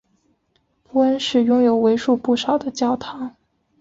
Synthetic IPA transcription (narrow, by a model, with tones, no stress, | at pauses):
pu˥ə˥nʂɻ̩˨˩jʊ˥ŋjo˨˩ʊwe˧˥ɪʂu˥˧pu˥˩ʂɑ˨˩ʊd̪ə˦t͡ɕjɑ˥ʊt̪ʰɑ˧˥ŋ